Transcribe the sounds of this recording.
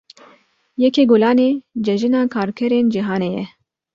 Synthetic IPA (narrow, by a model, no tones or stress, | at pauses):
jɛkeːɡolɑːneːd͡ʒɛʒɨnaːkʰaːɾkʰɛɾeːnd͡ʒiɦaːneːjɛ